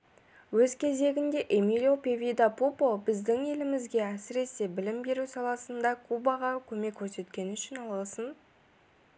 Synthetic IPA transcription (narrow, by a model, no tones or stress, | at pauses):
wɵzkʲʰe̞ze̞ɡʲɪnd̪e̞ʔemilʲjo̞pe̞vʲid̪apopo̞bɪzd̪ɪŋe̞lɪmɪzɡʲe̞æsɪɾe̞se̞bɪlɪmbe̞ɾusɑlˠɑsənd̪ɑkʰubɑʁɑkʲʰɵme̞kʲʰːɵɾse̞t̪kʲe̞nɪnʏʃɪnɑlˠəlˠsən